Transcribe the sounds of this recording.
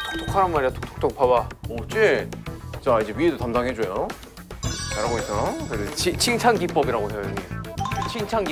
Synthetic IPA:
tʰokʰaɾamaɾiatʰo̥k̚tʰo̥k̚tʰok̚pʰabaot͡ɕ͈e | t͡ɕaid͡ʑe̞ɥiedotamdaŋɦed͡ʑojo | taɾamoisʰʌʌdet͡ɕʰit͡ɕʰiŋt͡ɕʰanɡip͈ʌbiɾaɡosejoojiɡit͡ɕʰiŋt͡ɕʰaŋɡ

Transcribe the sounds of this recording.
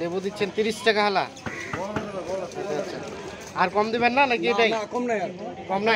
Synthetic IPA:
d̪ebud̪itːɕʰent̪iɾisʈakaɦala̰ | aatːʃʰa | aɾkɔmd̪iβenːanakiejʈajkɔmnajkɔmna

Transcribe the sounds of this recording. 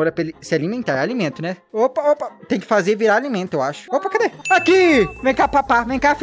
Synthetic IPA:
oɾɐpelisɪalimẽnt̪aalimẽnt̪ʊnɛopɐopɐt̪ẽj̃kɪ̥fazeviɾaɾalimẽnt̪ʊewaʃʊ̥opɐked̪eakivẽj̃kapapavẽj̃kaf

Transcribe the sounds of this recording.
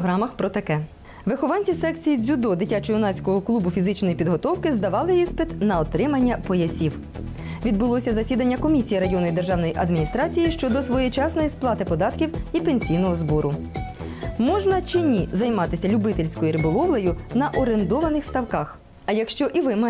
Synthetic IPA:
ɦɾɑmɐxpɾɔt̪ɐkɛ | ʋɪxɔʋɑnʲt͡sʲisɛkt͡sʲijizʲud̪ɔd̪ɪtʲat͡ʃɔjʊnɑsʲkɔɦɔklˠubʊfʲizɪt͡ʃnɔjipʲid̪ɦɔt̪ɔwkɪzd̪ɐʋɑlˠɪjispɪt̪nɐɔt̪ɾɪmɐnʲːɐpɔjɐsʲiw | ʋʲid̪̚bʊlˠɔsʲɐzɐsʲid̪ɐnʲːɐkɔmʲisʲijiɾɐjɔnɔjid̪erʒɑwnɔjiʔɐd̪mʲinʲist̪ɾɑt͡sʲijiʃt͡ʃɔd̪ɔsʋɔjɛt͡ʃɑsnɔjisplˠɑt̪ɪpɔd̪ɑt̪kʲiwipenʲsʲijnɔɦɔzbɔɾʊ | mɔʒnɐt͡ʃɪnʲizɐjmɑt̪ɪsʲɐlʲʊbɪt̪ɪlʲsʲkɔjiɾɪbɔlˠɔʋlˠɐjʊnɐʔɔɾend̪ɔʋɐnɪxst̪ɐwkɑx | ɐjɐkʃt͡ʃɔʔiʋɪm

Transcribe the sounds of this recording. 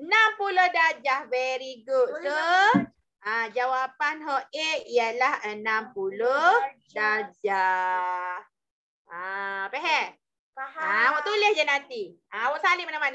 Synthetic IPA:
ənampulohdad͡ʒahvɛɾiɡut̚t̪u | ãd͡ʒawapanɦɔʔeʔijəlahənãmpuloh | dad͡ʒa | h | aapɛɦɛʔ | aawɔʔt̪ulɪhd͡ʒanant̪i | aawɔʔsalimanãmana

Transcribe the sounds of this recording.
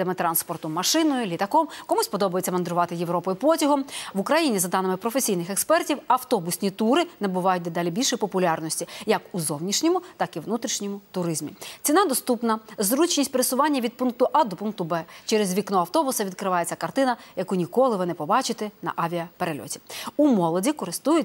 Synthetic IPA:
ɛmɪt̪ɾɑnspɔrt̪ʊmɐʃɪnɔjʊlʲit̪ɐkɔmkɔmusʲpɔd̪ɔbʊjet͡sʲːɐmɐnd̪ɾʊʋɑt̪ɪjeʋɾɔpɔjʊpɔtʲɐɦɔmʋʊkɾɐjinʲizɐd̪ɑnɪmɪpɾɔfesʲijnɪxekspɛrtʲiwɐwt̪ɔbʊsʲnʲit̪uɾɪnɐbʊʋɑjʊt̚ʲd̪ed̪ɑlʲibʲilʲʃɛjpɔpʊlʲɑrnɔsʲtʲijɐkuzɔwnʲiʃnʲɔmʊt̪ɑkiwnut̪ɾʲiʃnʲimʊt̪ʊɾɪzmʲḭt͡sʲinɑd̪ɔst̪upnɐzɾut͡ʃnʲisʲtʲpeɾɪsʊʋɑnʲːɐʋʲid̪̚punk̚t̪ʊʔɑd̪ɔpunk̚t̪ʊbɛt͡ʃɛɾezʋʲiknɔɐwt̪ɔbʊsɐʋʲid̪̚kɾɪʋɑjet͡sʲːɐkɐrt̪ɪnɐjɐkunʲikɔlˠɪʋɪnɛpɔbɑt͡ʃɪt̪ɛnɐ̰ʔɑʋʲijɐpeɾelʲɔ̰tʲi̥umɔlˠɔdʲikɔɾɪst̪ujʊ

